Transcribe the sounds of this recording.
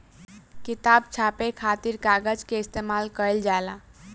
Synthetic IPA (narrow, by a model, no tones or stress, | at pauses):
kit̪abt͡ʃʰapekʰat̪iɾkaɡəd͡ʒkeist̪emalkəjld͡ʒala